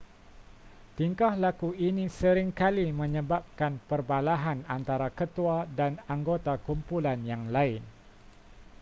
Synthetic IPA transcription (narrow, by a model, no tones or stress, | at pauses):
t̪iŋkahlakuinĩsəɾɪŋkalimə̃ɲə̃bap̚kanpərbalaɦanant̪aɾakət̪uadanaŋɡot̪akumpulanjaŋlaɪn